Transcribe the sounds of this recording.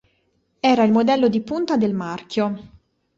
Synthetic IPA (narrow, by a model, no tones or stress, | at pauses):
ɛːɾailmod̪ɛlːod̪ipunt̪ad̪elmarkjo